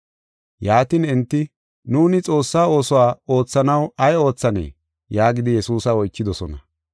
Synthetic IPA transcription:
jaːt̪inɛnt̪ːɪ | nuːnɪt͡sʼo̞ːsːaːo̞ːsɔwaːo̞ːt͡sːɐnɐwɐjo̞ːt͡sːɐnḛː | jaːɡɪd̪ɪjɛsuːsɐɔjt͡ʃːɪd̪ɔsɔnɐ

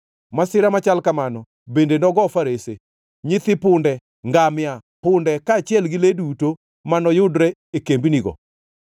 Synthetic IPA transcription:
masɪɾamat͡ʃalkamanɔ | bendenɔɡɔfaɾese | ɲɪt̪ɪpʊndɛ | ŋɡamja | pʊndɛkaːt͡ʃɪɛlɡɪleduto | manɔjʊdɾɛekembiniɡɔ̰

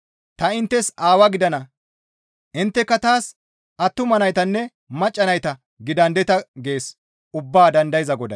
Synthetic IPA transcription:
t̪ɐɪnt̪ːɛsaːwɐɡɪd̪ɐnɐ | ʔɪnt̪ːɛkːɐt̪aːs | ɐt̪ːʊmɐnɐjt̪ɐnːɛ | mɐt͡ʃʼːɐnɐjt̪ɐ | ɡɪd̪ɐnd̪ɛt̪ɐɡe̞ːs | ʊbːaːd̪ɐnd̪ɐjzɐɡɔd̪ɐ̰

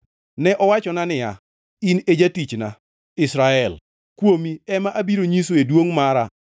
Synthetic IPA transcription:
nɛʔɔwat͡ʃɔnanɪja̰ | ined͡ʒatit͡ʃna | ɪsɾaɛl | kwomiɛmaʔabiɾoɲis̬oedwoŋmaɾa

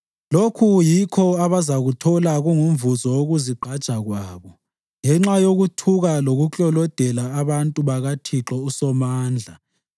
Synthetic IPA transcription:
lokʰujikʰɔaβazaɣutʰɔlaɣuŋumvuzɔwoɣuziɡ͡ǃʱad̥ʒ̥ʱaɣwaːβɔ | ŋɛŋ͡ǁajoɣutʰuɣaloɣut͡ɬʼɔlɔd̥ʱɛlaːβantʼuβaɣatʰiǁɔusɔmaːnd͡ɮʱa

